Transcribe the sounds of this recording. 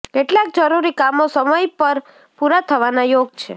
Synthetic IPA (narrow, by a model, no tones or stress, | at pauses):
keʈlak̚d͡ʒəɾuɾikamosəməjpəɾ | puɾat̪ʰəʋanajoɡ̚t͡ʃʰe